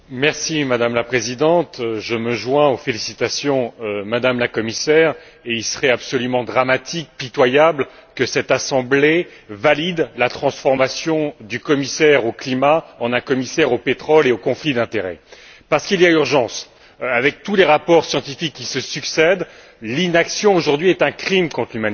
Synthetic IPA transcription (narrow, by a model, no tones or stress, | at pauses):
mɛʁsimad̪amlapχezid̪ɑ̃t̪ʒəməʒwɛ̃ofelisit̪asjɔ̃mad̪amlakɔmisɛːʁ | eilsə̥ʁɛapsɔlymɑ̃d̪ʁamat̪ʰik̚pit̪wajablkəsɛt̪asɑ̃ble | valid̪lat̪χɑ̃sfɔʁmasjɔ̃d̪ykɔmisɛʁoklimaɑ̃nɛ̃kɔmisɛʁopet̪χɔleokɔ̃flid̪ɛ̃t̪eʁɛ̰ | paʁsə̥kiliayʁʒɑ̃s | avɛk̚t̪uleʁapɔʁsjɑ̃t̪ifikːisəsyksɛd̪ | linaksjɔ̃oʒuʁd̪ɥiɛt̪ɛ̃kχimkɔ̃t̪χlymani